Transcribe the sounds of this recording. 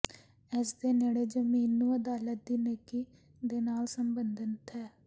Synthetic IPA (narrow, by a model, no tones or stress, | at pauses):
ɪsd̪eːneːɽeːd͡ʒəmiːnːũːəd̪aːlət̪̚d̪iːneːkiː | d̪eːnaːlsəmbənd̪ənt̪ʰɛː